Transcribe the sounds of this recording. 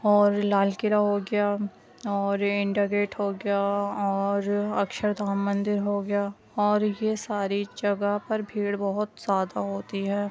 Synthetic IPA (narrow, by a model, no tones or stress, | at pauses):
ɔːɾlaːlkɪɾaɦoːɡɐja | ɔːɾɪ̃ɳɖaɡeːʈɦoɡɐjaɔːɾɐkʃəɾd̪ʱaːmːə̃nd̪ɪɾɦoɡɐja | ɔːɾjesaːɾid͡ʒɐɡapɐɾbʱiːɽbɐɦʊt̪z̥jaːd̪aɦoːt̪iɦɛː